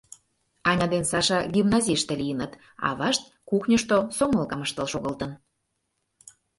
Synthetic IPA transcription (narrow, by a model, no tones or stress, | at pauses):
ɑnʲɑd̪ensɑʃɑɡʲimnɑzʲiʃt̪elijənət̪ | ɑ̰βɑʃt̪̚ | kuxnʲəʃt̪osoŋəlkɑməʃt̪əlʃoɣəlt̪ən